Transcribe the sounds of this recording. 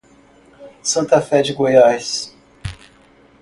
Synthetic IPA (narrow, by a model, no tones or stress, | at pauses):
sɐ̃nt̪ɐfɛd͡ʒɪɡojajs